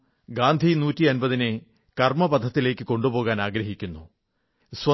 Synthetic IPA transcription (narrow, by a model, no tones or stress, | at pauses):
ɡaːnd̪ʱinuːtːiɐnbɐðinɨ | kɐrmɐbɐd̪ʱɐt̪ːile̞ːkːɨko̞ɳɖubo̞ːɣaːnaːɡɾɐɦikʲːunːu | swɐ